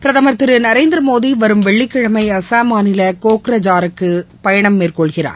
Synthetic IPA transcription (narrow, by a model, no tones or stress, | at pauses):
pɪɾɐðaːmɐɾt̪ːɪɾɯnɐɾeːnd̪ɪɾɐmoːðiʋɐɾɯmʋɛɭːɪkːɪɻɐmɐɪɐsaːmaːnɪlɐkoːkɪɾɐd͡ʒaːɾɯkːɯ | pɐjɐɳɐmːeːrkɔɭɣɪra̰ːɾ